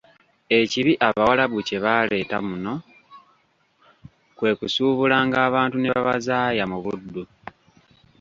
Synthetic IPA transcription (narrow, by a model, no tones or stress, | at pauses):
e̞ciβiʔaβawalaβuce̞βaːle̞ːtamuno̞ | kwe̞ːkusuːβulaːŋɡaːβaːntune̞βa̰βazaːjamuβudːu